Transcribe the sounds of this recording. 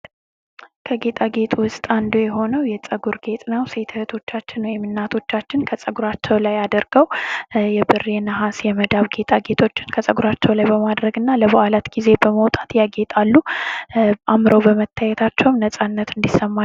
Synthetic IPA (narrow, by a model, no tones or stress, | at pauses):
kʰəɡe̞t̪ʼaɡe̞t̪ʼuwʊst̪ʼand̪ujɛɦo̞nəwjɛt͡sʼəɡuɾɡe̞t̪ʼnawse̞t̪ʰɨhɨt̪ʰo̞t͡ʃːat͡ʃːɪnːwjɛmːɨnːat̪ʰo̞t͡ʃːat͡ʃːɪnkʰət͡sʼəɡuɾat͡ʃːɛwlajad̪əɾɡəwjɛbɨrːenaɦasjɛməd̪aβɡe̞t̪ʼaɡe̞t̪ʼʰo̞t͡ʃːɪnkʰəsʼəɡuɾat͡ʃːɛwlajbəmad̪ɾəɡɨnːaləβəʔalat̪ɡ̥ize̞bəməwt̪ʼat̪jaɡe̞t̪ʼalːu | ʔamɾəwbəmət̪ʰːajɛt̪ʰat͡ʃːɛwmnəsʼanːət̪ɨnd̪isːəmːa